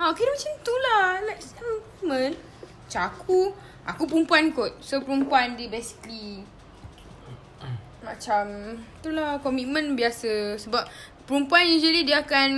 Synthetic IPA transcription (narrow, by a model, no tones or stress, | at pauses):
aokeɾəmat͡ʃamt̪ulanɛksak | mə̃n | at͡ʃaakʰu | ʔa̰kup̬əɾumpuankot̪̚sopəɾumpuandibɛsi̥kli | mat͡ʃamt̪ulahkɔmit̪̚mə̃nbiasəsəbap̚pəɾumpuanid͡ʒəlidiakan